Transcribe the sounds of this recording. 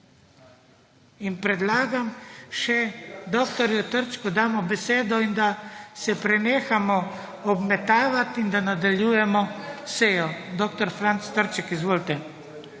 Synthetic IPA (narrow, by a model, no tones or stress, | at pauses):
inpɾɛd̪laːɡamʃɛd̪oːkt̪ɔɾjut̪əɾt͡ʃkud̪aːmɔbɛseːd̪ɔind̪asɛpɾɛneːxamɔ | ɔbmɛt̪aːʋat̪ind̪anad̪aljuːjɛmɔseːjɔd̪oːkt̪ɔɾfɾant̪st̪əɾt͡ʃɛkizʋoːlt̪ɛ